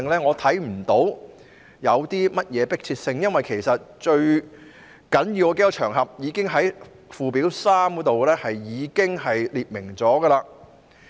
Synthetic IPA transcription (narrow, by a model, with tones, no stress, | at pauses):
ŋlɛː˥ŋɔː˨˧t̪ʰɐ˨˥jm̩˨˩t̪o˨˥w | jɐ˨˧wt̪iː˥mɐ˥t̚jɛː˨˧pɪ˥k̚t͡sʰiː˧t̚sɪ˧ŋjɐ˥nwɐ˨jkʰe˨˩jsɐ˨t̚t͡ʃɵ˧ɥ | kɐ˨˥njiː˨˧wke˥jɔ˧t͡ʃʰœː˨˩ŋɦɐ˨p̚jiː˨˧kɪ˥ŋɦɐ˨˥j | fuː˨˧piː˨˥wsaː˥mkt̪o˨wlɛː˥hɐ˨jjiː˨˧kɪ˥ŋɦɐ˨jliː˨p̚mɪ˨˩ŋt͡sɔː˨˥ɡə˧laː˧